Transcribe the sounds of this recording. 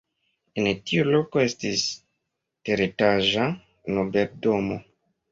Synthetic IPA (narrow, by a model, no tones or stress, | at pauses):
entiulo̞koe̞stis | teɾitaʒa | nobeɾdomo̰